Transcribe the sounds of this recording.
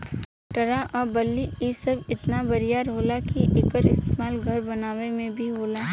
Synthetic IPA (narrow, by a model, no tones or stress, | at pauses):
ʈɐɾaʔɔːɾbɐlːiisɐbɪt̪nabɐɾijaːɾɦoːlakiʔɪkəɾɪ̰st̪eːmaːlɡʱɐɾbɐnaːʋemẽbʱiɦoːlaː